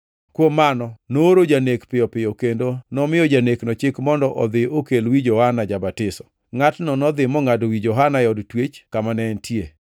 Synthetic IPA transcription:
kwomːanɔnoɾod͡ʒanekpɪjɔpɪjokendonɔmɪjɔd͡ʒaneknɔt͡ʃɪkmɔndɔʔɔd̪ɪokelwid͡ʒɔhanad͡ʒabatɪsɔ̥ | ŋatnɔnɔd̪ɪmɔŋadwid͡ʒɔɦanajɔdtwet͡ʃkamanɛntʰje

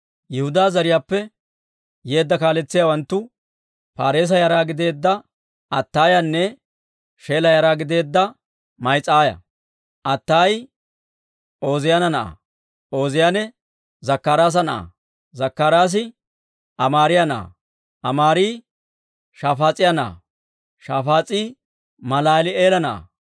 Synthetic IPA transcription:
jɛhʊd̪aːzɐɾɪjaːpːɛ | je̞ːd̪ːɐkaːlɛt͡sːɪjaːwɐnt̪ːʊ | paːɾe̞ːs̬ɐjɐɾaːɡɪd̪e̞ːd̪ːɐ | ɐt̪ːaːjɐnːɛ | ʃe̞ːlɐjɐɾaːɡɪd̪e̞ːd̪ːɐ | mɐjt͡sʼːaːjɐ̰ | ʔɐt̪ːaːj | o̞ːzɪjɐnɐnɐʔa̰ | o̞ːzɪjanɛ | zɐkːaːɾaːs̬ɐnɐʔa̰ | zɐkːaːɾaːs̬ɪ | ʔɐmaːɾɪjɐnɐʔa̰ | ɐmaːɾiː | ʃaːfaːt͡sʼːɪjɐnɐa̰ | ʃaːfaːt͡sʼiː | mɐlaːlɪeːlɐnɐʔa̰

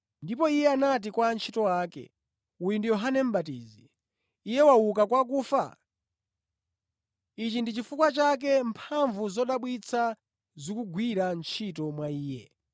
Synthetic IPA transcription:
ndipɔijɛanat̬ikwant͡ʃʰitɔwaːkɛ̰ | ujundijɔɦanɛm̩ɓat̬ḭːziː | jɛwauk̬akwak̬uːfa̰ | it͡ʃindit͡ʃifukwat͡ʃak̬ɛmpʰaɱvuzɔɗaɓwit͡sʰa | zikuɡwiɾant͡ʃʰitɔmwaiːjɛ̰

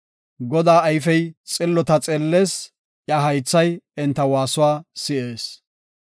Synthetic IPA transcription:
ɡɔd̪aːɐjfɛjt͡sʼɪlːɔt̪ɐt͡sʼɛlːeːs | ʔjɐɦɐjt͡sːɐjɪnt̪ːɐwaːsʊwaːsɪʔe̞ːs

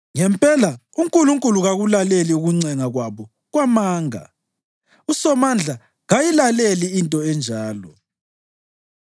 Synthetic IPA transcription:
ŋɛmpʼɛla | uŋkʼuluŋkʼuluɣaɣulaleliuɣuŋ͡ǀɛŋaɣwaβɔ | ɣwamaːŋa̰ | usɔmand͡ɮʱa | ɣajilaleliintʼɔɛnd͡ʒʱaːlɔ̰

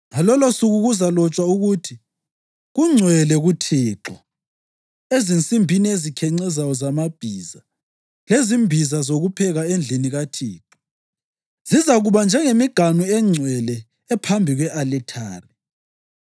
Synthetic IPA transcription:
ŋalɔlosuɣuɣuzalɔt͡ʃʼwauɣutʰi | ɣuŋ͡ǀʱwɛlɛɣutʰiːǁɔ | ezint͡sʼimbʱiniezikʰɛŋ͡ǀɛzajɔzamab̥ʱiza | lezimbʱizazoɣupʰɛɣaend͡ɮʱiniɣatʰiːǁɔ̥ | z̥izaɣuβand͡ʒʱɛŋemiɡ̥ʱanuɛŋ͡ǀʱwɛlɛː | pʰambʱiɣwɛʔalɛtʰaːri

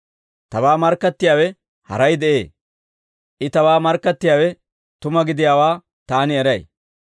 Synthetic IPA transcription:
t̪ɐwaːmɐɾkːɐt̪ːɪjaːwɛ | hɐ̰ɾɐjd̪ɛʔe̞̰ː | ʔɪt̪ɐwaːmɐɾkːɐt̪ːɪjaːwɛ | t̪ʊmɐɡɪd̪ɪjaːwaː | t̪aːnɪɛɾɐj

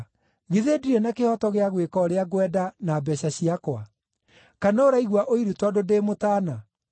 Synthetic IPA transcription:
ɣiðediɾɛnakehɔtɔɣeaɣwekɔɾeaɣwɛdanaːbɛɕaɕiakwa | kanaoɾaiɣwaʔoiɾutwadodemotana

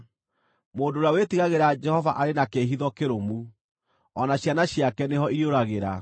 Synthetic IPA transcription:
moːndoɾawetiɣaɣeɾad͡ʒɛhɔvaʔaɾenakeɦiðɔkeɾomu | ɔnaɕjanaɕiakɛneɦɔiɾioɾaɣeɾa

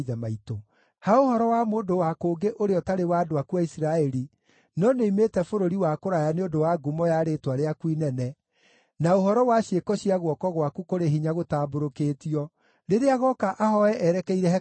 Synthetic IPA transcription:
ðɛmaito | haohɔɾɔwamoːdowakoːɡeʔoɾeɔtaɾewaːdoakuaisiɾaɛɾi | nɔneimetɛfoɾoɾiwakoɾajaneodowaɡumɔjaɾetwaɾeakwinɛnɛ | naohɔɾɔwaɕiekɔɕiaɣwɔkɔɣwakukoɾeɦiɲaɣotaːboɾokeːtiɔ | ɾeɾeaɣɔkaʔahɔɛʔɛɾɛkɛiɾɛhɛ

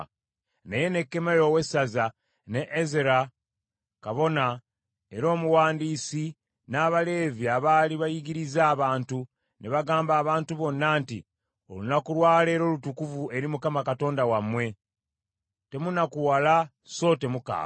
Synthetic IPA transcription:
neje̞ne̞kːe̞melowe̞saza | ne̞ʔːzeɾa | kaβo̞na | e̞ɾo̞ːmuwaːndiːsi | naːβale̞ːviaβaːliβajiɡiɾizaːβaːntu | ne̞βaɡaːmbaːβaːntuβo̞nːaːntḭ | o̞̰lunakuɾwaːle̞ːɾo̞ːlutukuvue̞ɾimukamakato̞ːndawamːwe̞ | te̞munakuwala | so̞te̞muka̰ː

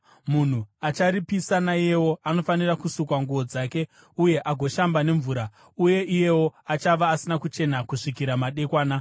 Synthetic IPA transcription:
mun̤uat͡ʃaɾipisanaije̞wo̞ano̞fanirakusukwaŋɡuʋo̞d͡zaːke̞ | uje̞ʔaɡʱo̞ʃambane̞ɱvuːɾa | uje̞ʔije̞wo̞at͡ʃaʋaːsinakut͡ʃe̞nakuʂikiɾamaɗe̞kwaːna

